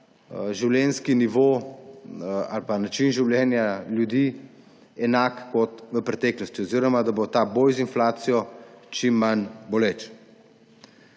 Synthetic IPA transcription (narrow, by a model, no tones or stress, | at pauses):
ʒiwlʲjɛːnskiniʋo | a̰lpanat͡ʃinʒiwljɛːnjaljud̪i | ɛnaːkkːɔt̪ʋəpɾɛt̪ɛːklɔst̪iɔziːɾɔmad̪abot̪aboːjzinflaːt̪sijɔt͡ʃimːanbɔlet͡ʃ